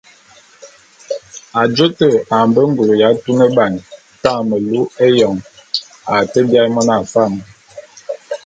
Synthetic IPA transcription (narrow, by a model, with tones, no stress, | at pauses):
a˨d͡ʒo˦tə˦˨a˨mbə˦ŋ˦ɡo˨ɾja˨˦tu˦nə˦ba˨n | ta˦˨mə˨lu˦e˦jɔ˨ŋ | a˨tə˦bja˦mɔ˦na˨fa˦˨m˨